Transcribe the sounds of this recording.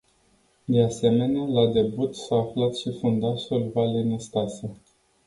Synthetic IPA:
d̪e̞ase̞me̞nealad̪e̞but̪saːflat̪ʃifund̪aʃulvalenist̪asə

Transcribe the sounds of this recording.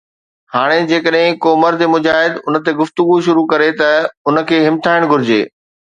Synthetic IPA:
haːɽ̃ed͡ʑeːkəɗɦɪ̃koːmɐɾd̪ʱemʊd͡ʑaːɦɪd̪ʊnə̆t̪eɡʊft̪ʊɡuʃʊɾukɐɾet̪ɐʊnə̆kʰeːɦɪmt̪ʰaːɪɽ̃ɡʱʊɾɪd͡ʑḛː

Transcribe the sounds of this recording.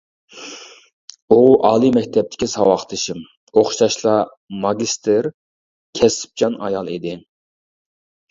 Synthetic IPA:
oʁʔɑːlˠɨmɛkʲt̪ʰɛp̚t̪ʰɪ̥kʲʰisɑwɑχt̪ʰɨʃim | oχʃɑʃlˠɑ | mɑɡʲist̪ʰɪɾ | kʲʰɛsɪ̥p̚d͡ʒɑnɑ̰jɑlˠid̪ɪ

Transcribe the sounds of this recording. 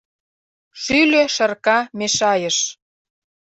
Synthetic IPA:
ʃyløʃə̆rkɑmeʃɑjə̆ʃ

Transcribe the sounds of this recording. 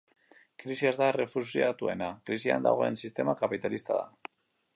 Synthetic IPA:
kɾisiazðare̞fusiat̪ue̞nakɾisia̰nd̪a̰ɣ̞o̞e̞̰nsist̪e̞makapit̪alist̪aða̰

